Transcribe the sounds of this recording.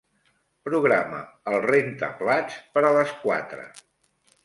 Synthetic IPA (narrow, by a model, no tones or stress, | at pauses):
pɾuɣɾamə̰əlˠrent̪ə̰plat͡spəɾələskwa̰t̪ɾə̰